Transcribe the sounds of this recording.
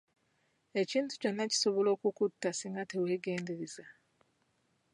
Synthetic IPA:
e̞ciːntu̥co̞nːaci̥so̞βolo̞ːkukutːasiŋɡate̞we̞ːɡe̞ːndeɾeza

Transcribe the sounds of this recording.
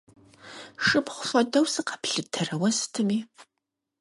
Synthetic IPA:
ʂʼɨpχʷʊfʷɐdɐwsɨqɑ̥pɬɨtʰɐrɐwɐstʰɨmiː

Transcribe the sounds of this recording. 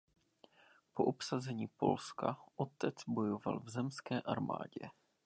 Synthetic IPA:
poʔopsazɛɲiːpo̞lskaʔo̞t̪ɛt͡sbo̞jo̞va̰lvzɛmskɛːʔaɾma̰ːɟɛ

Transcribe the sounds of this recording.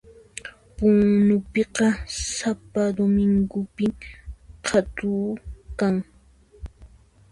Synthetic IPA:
pʊŋnʊpeqɑsapad̪omɪŋɡʊpɪŋqʰat̪uːkaŋ

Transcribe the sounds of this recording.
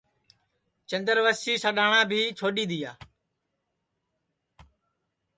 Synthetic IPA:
t͡ʃənd̪əɾʋəsiːsəɗaːɳãːbʱiːt͡ʃʰoːɗiːd̪ɪjaː

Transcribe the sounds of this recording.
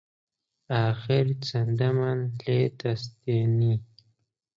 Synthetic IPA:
axɪɾt͡sand̪amanlet̪ast̪eni

